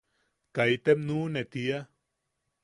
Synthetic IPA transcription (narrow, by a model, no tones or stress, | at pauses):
kajt̪emnunet̪ia